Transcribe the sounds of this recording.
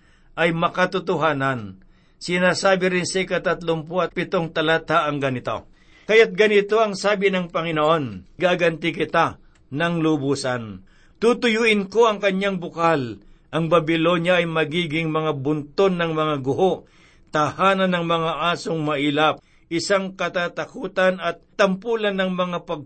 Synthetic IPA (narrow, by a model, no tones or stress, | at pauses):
ʔɐjmɐkɐt̪ʊt̪ʊɦaːnan | sɪnaːsaːbɪɾɪnsɛkɐt̪ɐt̪lʊmpoɐt̪̚pɪt̪oŋt̪ɐlat̪aʔɐŋɡɐnɪt̪o̞̰ | kɐjat̪̚ɡɐnɪt̪o̞ʔɐŋsaːbɪnɐŋpɐŋɪnoʔo̞nɡaːɡɐnt̪ɪkɪt̪a | nɐŋlʊbuːsɐn | t̪ut̪ʊjuːʔɪnkoʔɐŋkɐɲːaŋbʊkalʔɐŋbɐbɪlo̞njɐʔːjmɐɡiːɡɪŋmɐŋabʊnt̪onːɐŋmɐŋaɡʊhoʔ | t̪ahaːnɐnɐŋmɐŋaʔaːsoŋmɐʔilap̚ | ʔɪsaŋkɐt̪aːt̪ɐkuːt̪anɐt̪̚ːɐmpuːlɐnːɐŋmɐŋapɐɡ̚